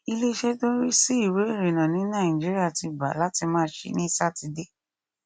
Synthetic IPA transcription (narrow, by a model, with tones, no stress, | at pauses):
i˧le˦i˧˦ʃɛ˦dõ˦ɾi˦si˦i˦˨we˨˦e˦˨ɾĩ˨nã˨nĩ˨˦nã˦˨ĩ˨d͡ʒi˦ɾi˦a˦˨ti˧˨ba̰˨la˨˦ti˧mãː˦ʃḛ˧˦nĩ˦sa˦˨ti˧de˦˨